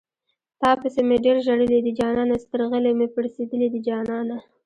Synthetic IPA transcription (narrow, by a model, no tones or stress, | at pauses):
t̪ɑpəsemeɖeɾʒaɽəlid̪id͡ʒɑnɑnast̪əɾɣəlemepəɽsed̪əlid̪id͡ʒɑnɑna